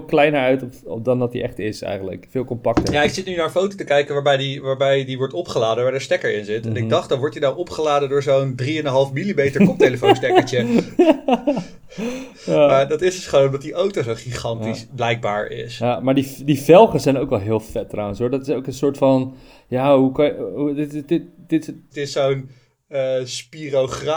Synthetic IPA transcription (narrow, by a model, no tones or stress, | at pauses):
klɛjnəɹœɥtɔpɔ̰dɑndɑt̚dḭʔɛχtɪsɛ̰jxχəndlə̰kfɪːlˠkɔmpɑktəjaɪksɪtnynaɹənfowtotəkɛjkənʋaːɹbɛjdiʋaːɹbɛjdiʋɔɹtɔpχəlaːdəʋaɹdəstɛkəɹɪnzɪtɛnɪdɑχtdɑnʋɔɹtinawʔɔpχəlaːdədʊːɹzowndriɛndənɦɑlˠfmilimejtəɹkɔp̚tejləfonstɛkəɹt͡ʃə | jamaːdɑtɪsdɵsχəʋoːwnmdɑt̚diʔowtozowχiχɑntisblɛjk̚ba̰ːɹɪ̰sjamaːɹdidivɛlˠχəsɛjnowkʋɛlˠɦɪːlˠfɛtːrawə̃nsɦɔɹdɑtɪsowkənsʊːɹtfɑn | jaːɦukɑdɪtɪtd̥ɪttɪsown | əːspirowχra